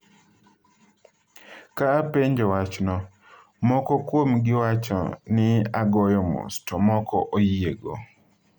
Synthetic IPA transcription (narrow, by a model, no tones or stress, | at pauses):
kapeɲd͡ʒɔwat͡ʃnɔ | mɔkɔkwomɡɪwat͡ʃɔ̰nɪaɡɔjɔmṵstɔmɔkɔ̰ʔojieɡɔ̰